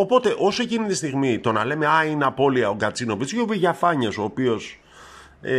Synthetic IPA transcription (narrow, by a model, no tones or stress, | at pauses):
o̞po̞t̪e̞ʔo̞soe̞cinit̪ist̪iɣmit̪o̞nɐle̞me̞ɐineɐpo̞liɐo̞ɡɐt͡sino̞pit͡sʝoopiʝɐfɐɲɐso̞ːpio̞s